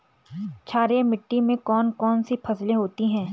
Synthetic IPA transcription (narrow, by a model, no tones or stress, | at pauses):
t͡ʃʰaːɾemɪʈːimẽkɔːnkɔːnsipʰɐsleɦoːt̪iɦɛ̃ː